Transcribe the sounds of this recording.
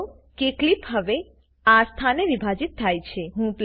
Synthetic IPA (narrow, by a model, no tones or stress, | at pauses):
keklipɦəʋe | ast̪ʰaneʋibʱad͡ʒit̪ːʰajt͡ʃʰeɦũpl